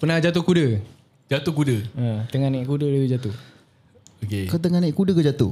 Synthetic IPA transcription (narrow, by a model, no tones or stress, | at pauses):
pənad͡ʒat̪ukudə | d͡ʒat̪ukudəət̪əŋanɛʔkudədat̪ud͡ʒat̪u | okekat̪əŋanɛʔkudəkəd͡ʒat̪ṵ